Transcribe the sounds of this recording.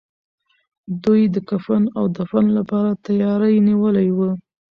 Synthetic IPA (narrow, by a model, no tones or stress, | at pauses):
d̪ujd̪əkafanawd̪afanlapɑɾat̪ajɑɾajniwəlajwu